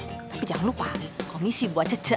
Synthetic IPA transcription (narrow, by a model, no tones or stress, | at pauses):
t̪apid͡ʒaŋanlupaikɔmisibuat͡ʃət͡ʃə